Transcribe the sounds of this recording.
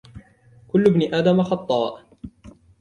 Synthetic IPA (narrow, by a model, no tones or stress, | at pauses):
kʊlːbniʔaːd̪amaxɑt̪ˤːɑːʔ